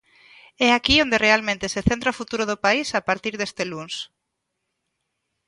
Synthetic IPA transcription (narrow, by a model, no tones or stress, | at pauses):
ɛakiond̪erealmẽnt̪eseθent̪ɾaofut̪uɾʊðʊpaisapaɾt̪iɾðest̪eluns